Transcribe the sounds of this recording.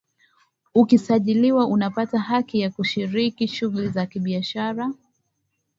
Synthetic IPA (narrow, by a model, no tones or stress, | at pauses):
ukisaʄiliwaʔunapataɦakijakuʃiɾikiʃuɣulizakiɓiaʃaɾa